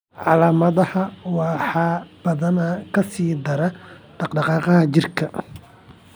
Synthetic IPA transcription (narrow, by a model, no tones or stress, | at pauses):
ʕɑlaːmɐðɐhɐwɑħɑːb̥ɐðɐnɐkʰɐsiːd̪ɐɾɐɖ̥ɑqɖɑqɑːqɑɦɐt͡ʃɪrkʰɐ